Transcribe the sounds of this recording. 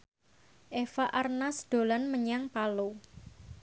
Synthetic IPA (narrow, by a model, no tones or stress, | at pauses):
ʔefaʔarnasd̪̥o̤lanməɲaŋpalo